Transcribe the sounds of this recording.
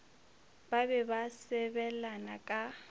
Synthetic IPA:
babɛbasɛbɛlanakʼa

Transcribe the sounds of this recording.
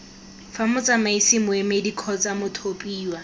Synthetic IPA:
famʊt͡samaisimʊemedikʰɔt͡sʼamʊtʰopʼiːwa

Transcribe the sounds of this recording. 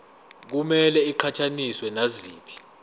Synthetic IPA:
k̬umɛlɛiǃʰatʰaniswɛnaziːpʰi̥

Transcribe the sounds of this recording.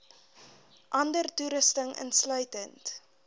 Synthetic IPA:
ʔɐndərtuɾəstəŋə̰nslœɥtənt

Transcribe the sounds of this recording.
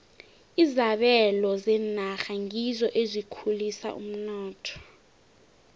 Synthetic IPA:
izaɓɛlɔzɛnaxaŋizɔʔezʷikʰulisa̰ʔṵm̩nɔːtʰɔ̥

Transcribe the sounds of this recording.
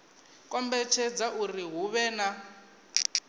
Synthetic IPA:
kʼɔmbɛt͡ʃʰɛd͡zaʔuriɦuβɛːna

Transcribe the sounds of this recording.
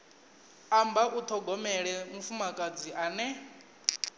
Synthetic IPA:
ambaʔut̪ʰɔɡɔmɛɺɛmufumakʼad͡ziʔanɛ

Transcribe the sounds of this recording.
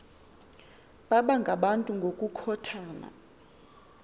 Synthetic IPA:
ɓaɓaŋɡʱaɓantʼuŋɡʱokʼukʰɔtʰaːna̰

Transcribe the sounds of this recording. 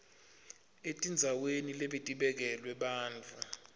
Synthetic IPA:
etʼind͡zʱawenileɓitʼiɓɛk̬ɛlwɛɓaːnd͡vʱa

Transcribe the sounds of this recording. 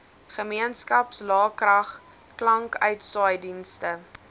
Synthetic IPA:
χəmiənskɐpslɑːkrɐχ | klɐŋkœɥtsɑːjdinstə

